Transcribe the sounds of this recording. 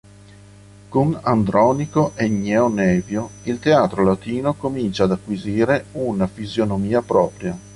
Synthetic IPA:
koŋand̪ɾɔːnikoʔɛɲɛonɛːvjoilt̪eaːt̪ɾolat̪iːnokomint͡ʃaːd̪akːwiziːɾeunafizjonomiːapɾɔːpɾja

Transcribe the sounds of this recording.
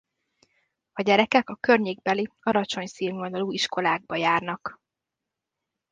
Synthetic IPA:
ɒɟɛɾɛkɛkɒkørɲeːɡ̚bɛliɒɾɒt͡ʃo̞ɲsiːlvond̪oluːiʃko̞laːɡ̚bɒjaːrnɒk

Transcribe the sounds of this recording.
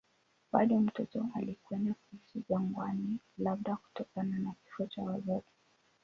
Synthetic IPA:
ɓaɗɔm̩tɔtɔalikwɛndakuhisiʄaŋɡwani | laɓ̚ɗaku̥tɔkananaki̥fɔt͡ʃawazɔti̥

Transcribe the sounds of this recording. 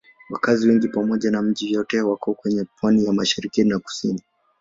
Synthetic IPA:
wakaziwɛŋɡipamɔʄanam̩ʄijɔtɛwakɔkwɛɲɛpwanijamaʃiɾikinaku̥sini

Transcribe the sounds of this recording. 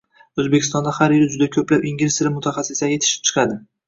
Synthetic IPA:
ɵzbe̞kʲʰɪ̥st̪ɒnd̪ahaɾjɪɾɪd͡ʒʊd̪akʲʰɵplapiŋɡʲɾɪsɪɾɪmʊt̪ʰaχasːɪsajʲje̞t̪ʰɪ̥ʃɪ̥p̚t͡ʃʰɨ̥qʰɑd̪ɪ

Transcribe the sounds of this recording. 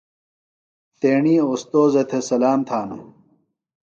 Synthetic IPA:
t̪eːɳiːost̪oːzɐt̪ʰesɐlaːmt̪ʰaːnṵ

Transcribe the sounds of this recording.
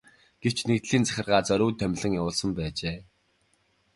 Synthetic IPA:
ɡ̥ew̥t͡ɕnekt̪ɮiːnt͡sæ̥xʲɪ̆rʁaːt͡sœɾʲʊːt̪ʰːœm̆ʲɮɘ̆ŋjawʊːɮsə̆mpæːt͡ɕeː

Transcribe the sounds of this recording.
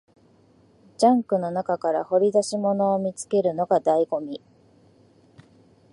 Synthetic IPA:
d͡ʑãŋkɯ̟no̞nakakaɾa̰ho̞ɾʲid̪aɕimo̞no̞ːmʲit͡sɨ̥ke̞ɾɯ̟no̞ɡad̪aiɡo̞mʲi

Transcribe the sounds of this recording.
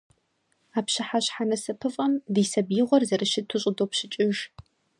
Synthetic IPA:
aːpɕɪħaɕħanɐsɐpʰɨfʼɐmdiːsɐbjɪʁʷɔrzɐrɨʃɪtʰʊɕʼʊdoːpɕɪt͡ʃʼɪʒ

